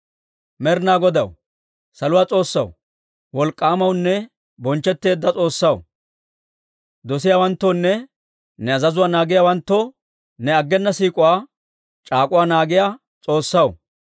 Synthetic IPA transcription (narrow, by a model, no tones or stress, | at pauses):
mɛɾnaːɡɔd̪ɐw | sɐlʊwaːt͡sʼo̞ːsːɐw | wɔlkʼːaːmɐwnːɛ | bɔnt͡ʃːɛt̪ːe̞ːd̪ːɐt͡sʼo̞ːsːɐw | d̪ɔsɪjaːwɐnt̪ːonːɛ | nɛɐzɐzʊwaːnaːɡɪjaːwɐnt̪ːɔ | nɛɐɡːɛnːɐsiːkʼʊwaː | t͡ʃʼaːkʼʊwaːnaːɡɪjaː | t͡sʼo̞ːsːɐw